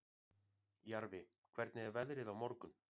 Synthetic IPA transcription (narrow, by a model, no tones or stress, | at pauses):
jaɾvɪ | kʰv̥ɛɾt̪nɪɛɾvɛðɾɪðawmɔɾkʏn